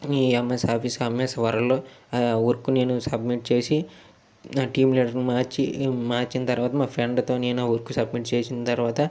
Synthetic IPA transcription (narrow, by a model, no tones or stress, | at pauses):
miːɐmːesɐɾpʰisɐmesɐʋɐɾɐloːuɾkuneːnusɐbmiʈ̚t͡ʃe̞ːsi | ʈiːmliːʈɐɾnmaːɾt͡ʃimaːɾt͡ʃinɐt̪ɐɾʋaːt̪ɐmaːpʰɾeɳɖt̪o̞ːneːnɐuɾkusɐbmiʈt͡ʃeːsinɐt̪ɐɾʋaːt̪ɐ